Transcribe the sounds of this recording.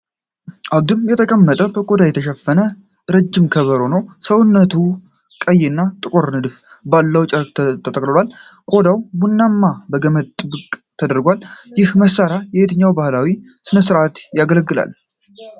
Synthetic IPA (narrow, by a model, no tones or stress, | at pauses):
ʔad̪ɨmjɛt̪ʰəkʼəmːət̪ʼəbəkʼod̪ajɛt̪ʰəʃɛfːənə | ɾɨd͡ʒːɪmkʰəβəɾonəwsəwʊnːət̪ʰu | kʼəjɪɨnːat̪ʼɨkʼuɾnɨd̪ɨf | balːəwt͡ʃʼəɾkʼt̪ʰːət̪ʼəkʼɨlwal | kʼo̞d̪awbunːamːabəɡəməd̪t̪ʼːɨbɨkʼt̪ʰəd̪əɾɡʷaljɪhməsːaɾajɛhet̪ʰɨɲːawbahlawi | sɨnəsɨɾat̪jaɡələɡːɨla̰l